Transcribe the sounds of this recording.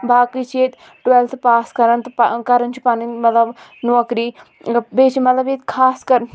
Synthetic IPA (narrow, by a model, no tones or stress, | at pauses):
baːkit͡ʃʰeːt̪ | ʈwelt̪ʰpaːskɐɾənt̪kɐɾənt͡ʃʰi̥paːnimɐt̪ləbnũɐkɾiː | beːt͡ʃimɐt̪ləbeːt̪kʰaːskɐɾ